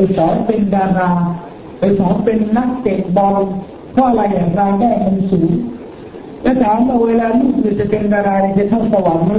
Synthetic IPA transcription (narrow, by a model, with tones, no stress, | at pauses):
sɔː˨˩˦npe˧ndaː˧ɾaː˧ | o˧˨˩jsɔː˩˦npe˧nːa˦˥k̚t͡ɕe˨˩k̚bɔ˧n | kʰɔː˥˩ʔla˧jaː˨˩ɾaː˧dɛː˥˩na˧nsuː˩˦ŋ | lɛː˦˥˩t̪ʰaː˨˦ŋmaː˨˩weː˧laː˧lu˥˩nɯː˧˩t͡ɕa˨˩pe˧ndaː˧ɾaː˧na˨˩t͡ɕa˨˩t̪ʰa˥˩sa˧wa˨˩˦nma˧˦